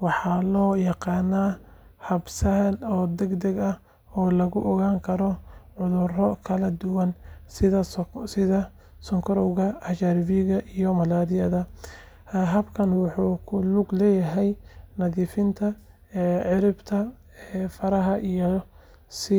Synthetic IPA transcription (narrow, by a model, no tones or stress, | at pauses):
wɑħɑlɔːjɑqɑːnːaːhɐbsɐlɔːd̪ɛɡd̪ɛɡɐh | ɔːlɐɣʊʔɔɣaːŋkʰɐɾɔʕʊðʊrɔkʰɐlɐd̪ʊwɑnsɪðɐsɪðɐ | sɔŋkʰɔɾɔwɣɐɐʃaɾviɣɐʔijɔmɐlaːɾɪjɐðɐ | ɦɐbkʰɐnwʊħuːkʰʊlʊɡlɛːjɐɦɛjnɐðiːfɪnt̪ʰɐ | ʕɪɾɪbt̪ʰɐ | ɛfɐɾɐɦɐʔij | sɪ